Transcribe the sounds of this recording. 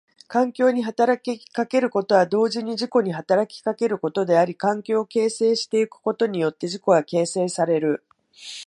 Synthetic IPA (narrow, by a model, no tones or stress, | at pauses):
kãŋkʲo̞ːɲ̟iɦat̪aɾakʲikake̞ɾɯ̟ko̞t̪o̞βad̪o̞ːʑiɲ̟iʑiko̞ɲ̟iɦat̪aɾakʲi̥kake̞ɾɯ̟ko̞t̪o̞d̪e̞aɾʲikãŋkʲo̞ːke̞ːse̞ːɕi̥t̪e̞ikɯ̥ko̞t̪o̞ɲ̟ijo̞t̪ːe̞ʑiko̞ɡake̞ːse̞ːsaɾe̞ɾɯ̟